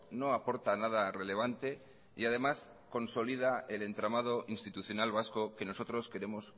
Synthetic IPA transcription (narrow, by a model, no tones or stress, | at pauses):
no̞apo̞ɾt̪anað̞are̞le̞β̞ant̪e̞ | iað̞e̞mas | ko̞nso̞lið̞ae̞le̞nt̪ɾamað̞o̞ʔinst̪it̪uθjo̞nalβ̞asko̞ke̞no̞so̞t̪ɾo̞ske̞ɾe̞mo̞s